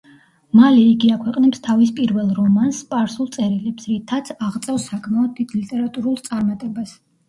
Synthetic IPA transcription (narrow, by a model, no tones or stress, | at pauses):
malɛiɡiakʰwɛqʼnɛpst̪ʰavispʼiɾvɛlˠɾɔmanspʼaɾsulˠt̪sʼɛɾilɛpsɾit̪ʰat̪sʰaʁt̪sʼɛfsakʰmaɔd̪̚ʰwit̪ʰlit̪ʼɛɾat̪ʼuɾulˠt̪sʼaɾmat̪ʼɛbas